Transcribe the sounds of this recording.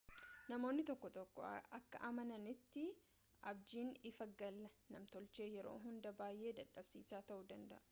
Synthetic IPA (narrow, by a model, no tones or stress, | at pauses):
nɐmoːnːɪt̪ɔkːɔt̪ɔkːɔ̰ɐkːɐ̰ʔɐmɐnɐnɪt̪ːɪ | ʔɐbd͡ʒiːnɪfɐɡːɐlːɐnɐmt̪ɔlt͡ʃeːjɛɾo̰ːɦʊnd̪ɐbaːjʔe̞ːd̪ɐᶑɐb̥siːsaːt̪ɐʔuːd̪ɐnd̪ɐ̰ʔɐ̥